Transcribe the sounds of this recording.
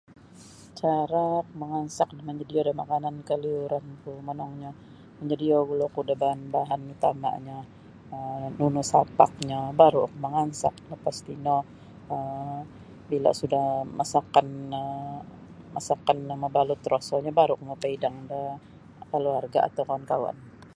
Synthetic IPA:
t͡ʃaɾak̚məŋansak̚dməɲd͡ʒədiodamakanankəliuɾankumənɔŋɲa | məɲd͡ʒədioɡulokudabaɦanbaɦanit̪ama̰ʔɲa | ənunusapa̰k̚ɲabaɾukuməŋansa̰k̚nɔpast̪inɔ | ə | bila̰sudahmasakanə | masakanaməbalut̪ɾosɔɲabaɾukmopaidaŋda | kəluarɡaa̰t̪awkawankawa̰n

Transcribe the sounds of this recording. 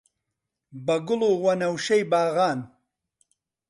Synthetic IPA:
bɐɡʊluːwɐnɐwʃɐjbaːɣaːn

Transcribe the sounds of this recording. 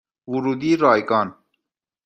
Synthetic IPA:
wuɾuːd̪iːɾɑːjkɑːn

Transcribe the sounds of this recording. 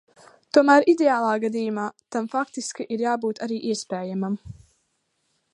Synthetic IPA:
t̪uɔmæːɾid̪eaːlˠaːɡad̪iːjumaːt̪amfakt̪iskiʔiɾjaːbuːt̪aɾiːʔiɛspɛːjamam

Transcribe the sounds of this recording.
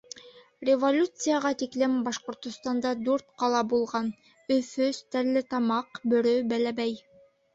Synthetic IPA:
rʲevolʲut̪sɨjaʁɑt̪iklɘmbɑʃqŏɾt̪ŏst̪ɑnd̪ɑd̪ʉɾt̪̚qɑlˠɑbulˠʁɑn | ɵ̆fɵst̪æɾlːɘt̪ɑmɑqbɵ̆ɾɵbælæbæj

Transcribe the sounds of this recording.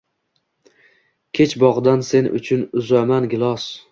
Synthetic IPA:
kʲʰe̞t͡ʃbɒʁd̪anse̞nʊ̰t͡ʃʰʊnʊzamanɡʲɪlˠɒs

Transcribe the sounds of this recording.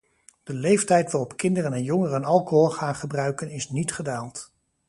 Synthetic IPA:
d̥əlejftɛjtʋarɔpkɪndərənɛnjɔŋərəənɑlˠkoɦɔlˠχaːnχəbrœɥkənɪsnitχədaːlˠt

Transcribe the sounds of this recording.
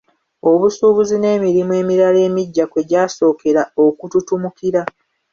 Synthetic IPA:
o̞βusuːβuzine̞ːmiɾimwe̞ːmiɾale̞ːmiɟːakwe̞ɟaːso̞ːke̞ɾao̞kututumukiɾa

